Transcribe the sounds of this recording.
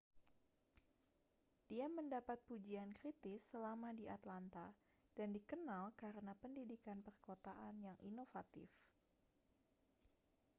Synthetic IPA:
d̥iaməndapat̪̚pud͡ʒiankɾit̪ɪsːəlamadiat̪lant̪a | d̥andikənalkaɾənapəndidikanpərkot̪aʔanjaŋʔḭnofat̪ɪ̰f

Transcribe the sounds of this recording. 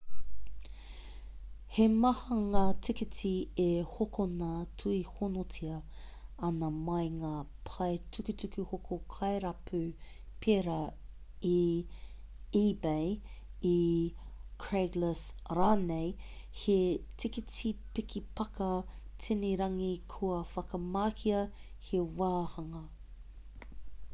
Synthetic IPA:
hemɐhɐŋaːtʰɪkitʰiehokʰonɐtʰuihonotʰiɐ | ɐnɐmɐjŋaːpʰɐjtʰʉkʉtʉkʉhokʰokʰɐeɾɐpʰʉ | pʰeɾɐ | i | iːbeji | kʰɹeɡləsɾaːnejhetikitipikʰipɐkɐtʰiniɾɐŋikʰuɐfɐkɐmaːkʰiɐ | hewaːhɐŋɐ

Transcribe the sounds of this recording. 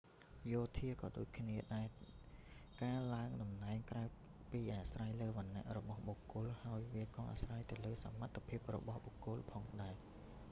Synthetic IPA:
joːt̪ʰiəkɑːɗoːc̚kʰniəɗaɛ | kaːlaəŋɗɑmnaɛŋkraə | piːʔaːsraːjləːʋə̆nːĕəʔrɔɓɑhɓokʊ̆əlhaəjʋiəkɑːʔa̰sraːjt̪ɨwləːsamat̪ʰːepʰiəp̚rɔ̰ɓɑhɓokːʊ̆əlpʰɑːŋɗaɛ

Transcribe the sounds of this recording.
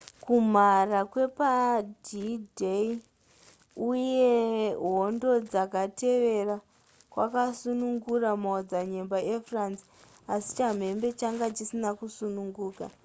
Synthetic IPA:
kum̤arakwe̞padidei | uje̞ɦondo̞d͡zakate̞ʋe̞ra | kwa̰kasunuŋɡuramaod͡zaɲe̞mbaʔefransi̥ | asi̥t͡ʃam̤e̞mbe̞t͡ʃaŋɡat͡ʃisinakusunuŋɡuːka̰

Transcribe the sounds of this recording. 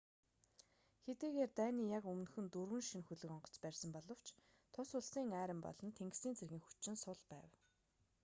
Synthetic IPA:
xet̪ɡiːɣeːrt̪æːniːjakɵmnxɵ̆nt̪ɵrwɘ̆nʃinxɵɮɵ̆kɔɴɢɞ̆ɬt͡spærʲsə̆mpɔɮɞ̆w̥t͡ɕʰ | t̪ʰʊsʊɮsiːŋæːɾə̆mpɔ̰ɮɞ̆nt̪ʰeŋɡsniːnt͡sʰerɣĭːŋxu̥t͡ɕːɪ̆nsʊɮpæːw

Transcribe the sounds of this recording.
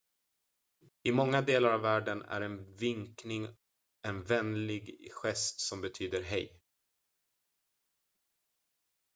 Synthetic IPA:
ɪmɔŋːad̪eːlaɾavvæːɖənæ̰ɾɛnvɪŋknɪŋ | ɛnvɛnlɪɡɧɛst̪sɔmbɛt̪ʰyːd̪əɾɦɛj

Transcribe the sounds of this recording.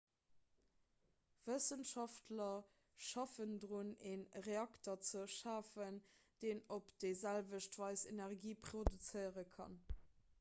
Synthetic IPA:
v̥əsənʃɑftlɐ | ʃɑfəndʁuneːnʁeɑktɐt͡səʃaːfənd̥eːnopd̥ezælvəʃtv̥ɑɪsenɛʁɡiːpχodut͡səɪəʁəkʰɑ̰n

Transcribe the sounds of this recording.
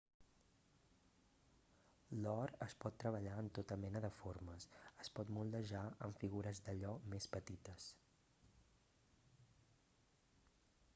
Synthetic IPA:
lɔɾəspɔt̪ːɾəβəʎaənt̪ot̪əmɛnəðəfoɾməsəspɔt̪mulˠd̪əʒaəɱfiɣuɾəzðəʎɔmespət̪it̪əs

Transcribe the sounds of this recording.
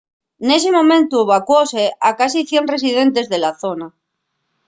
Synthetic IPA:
ne̞semõ̞mẽnt̪ueβ̞akwose̞akasiθje̞nre̞s̬ið̞e̞nt̪e̞zðe̞laθo̞na

